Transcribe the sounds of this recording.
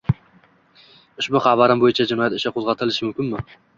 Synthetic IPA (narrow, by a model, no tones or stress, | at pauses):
ʊʃbʊχɑbaɾɪmbojɪt͡ʃʰad͡ʒɪnɒjat̪ɪʃaqʰozʁɑt̪ʰɪlɪʃɪmʊmkʲɪnmɪ